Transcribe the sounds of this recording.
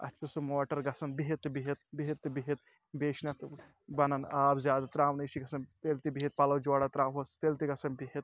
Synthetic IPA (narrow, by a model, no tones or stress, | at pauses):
ɐ̰t͡ʃʰusumoːʈɐɾɡɐsɐnbiɦit̪ːɨbiɦit̪̚biɦit̪ːɨbiɦit̪̚ | beːʃnɐt̪ | bɐnɐnaːbzʲjaːd̪at̪ɾaːʋnɐjʃiɡɐsɐnt̪eːlt̪ibiɦit̪̚pɐlɐwd͡ʒoːɽat̪ɾaːɦost̪eːlt̪iɡɐsɐnbiɦit̪̚